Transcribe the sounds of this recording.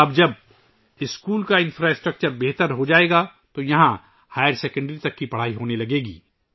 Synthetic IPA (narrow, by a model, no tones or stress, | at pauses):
ɐbd͡ʒɐb̚ | ɪskuːlkaɪ̃nfɾaːɪsʈɾək̚t͡ʃəɾbeɦt̪əɾɦod͡ʒaːeːɡat̪ojɐɦã | haːjəɾsɛːkə̃ɳɖɾit̪ɐkːipɐɽ̤aːiɦoːnelɐɡeːɡḭː